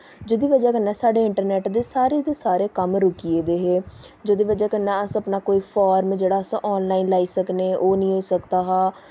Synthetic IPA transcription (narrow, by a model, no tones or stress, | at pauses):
d͡ʒoːd̪iːʋəd͡ʒaːkənːɛːsaːɖeːɪɳʈəɾnɛːʈd̪eːsaːɾeːd̪eːsaːɾeːkəmɾʊkieːd̪eːɦeːd͡ʒoːd̪iːʋəd͡ʒaːkənːɛ̃ːəsəpnaːkoːiːpʰaːɾmd͡ʒeːɽaːsã̰ʔɔːnlaːiːnlaːiːsəkneːʔoːnəĩːɦoːisəkd̪aːɦaː